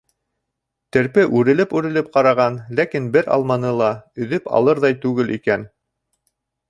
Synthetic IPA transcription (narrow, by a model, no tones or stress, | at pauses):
t̪ɘ̆ɾpɘʔʉɾɘ̆lɘpʉɾɘ̆lɘp̚qɑɾɑʁɑnlækinbɘɾɑ̰lˠmɑnɤlˠɑɵ̆ðɘpɑ̰lˠɤɾðɑjt̪ʉɡɘlikæn